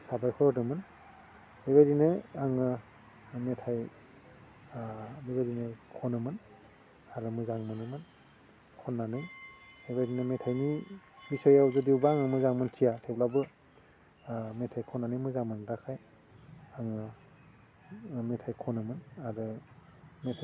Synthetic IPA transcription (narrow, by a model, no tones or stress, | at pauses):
sabajkʰɔɾɔdɯmɯn | bebajdinɯaŋɯ | metʰaj | bebajdinɯkʰɔnɯmɯn | aɾɯmɯzaŋmɯnɯmɯn | kʰɔnːanɯjhebajdinɯmetʰajnibisɔjawzɯdiwbaaŋɯmɯzaŋmɯntʰijatʰep̚labɯ | metʰajkʰɔnːanɯjmɯzaŋmɯnɾakʰaj | aŋɯ | metʰajkʰɔnɯmɯnaɾɯ | metʰa